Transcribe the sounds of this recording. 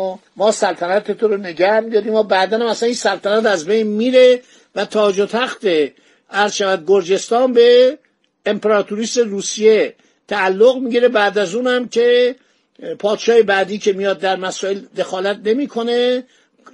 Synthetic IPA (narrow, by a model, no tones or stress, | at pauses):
mɒːsælt̪ʰænæt̪ʰet̪ʰoɾone̞ɡæhmid̪ɒːɾiːmɒːbæːd̪ænhæmæsæniːnsælt̪ʰænæt̪æzbejnmiːɾe̞ | væt̪ʰɒːd͡ʒot̪ʰæxt̪e | æɾzʃævæd̪̚ɡoɾd͡ʒe̞st̪ɒːnbe̞ː | mpʰeɾɒːt̪ʰuɾiːst̪eruːsije̞ | t̪ʰæːlːoɣmiːɟiɾe̞bæːd̪æzuːnæmcʰe̞ | pʰɒːd̪ʃɒːhebæd̪iːcʰe̞mijɒːd̪̚ːæɾmæsɒːeld̪e̞xɒːlæt̪̚ne̞miːkʰo̞ne̞